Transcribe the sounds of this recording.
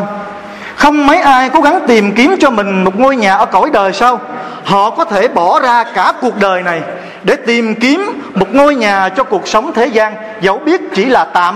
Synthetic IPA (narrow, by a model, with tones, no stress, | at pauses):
xə˧wŋ͡mmə˨˦jʔaː˧jko˨˦ɣa˨˦ŋt̪i˨˩mki˨˦əmt͡ɕɔ˧mï˨˩ŋ̟mo˨˩t̚ŋo˧jɲaː˨˩ʔəː˧˩ko˧˩jɗəː˨˩jsaː˧w | hɔ̰˧˨kɔ˨˦t̪ʰe˧˩ɓɔ˧˩zaː˧kaː˧˩ku˨˩ək̚ɗəː˨˩jna˨˩j | ɗe˧˩t̪i˨˩mki˨˦əmːo˨˩t̚ŋo˧jɲaː˨˩t͡ɕɔ˧ku˨˩ək̚sə˨˦wŋ͡mt̪ʰe˨˦zaː˧n | zə˨˦wɓi˦˥ət̚t͡ɕi˧˩laː˨˩t̪a̰ː˧˨